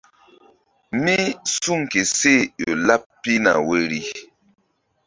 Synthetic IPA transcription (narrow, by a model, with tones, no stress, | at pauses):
mi˦su˦˨ŋ˨ke˨se˦˨jo˨la˦pːi˦na̰˨we˦ɾi˦